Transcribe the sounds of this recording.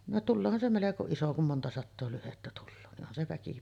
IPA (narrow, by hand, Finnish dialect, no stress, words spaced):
no tulːoːhɑn se meleko iso kum montɑ sɑtːoː lyhetːæ tulːoː ni ʔonhɑn se ʋæki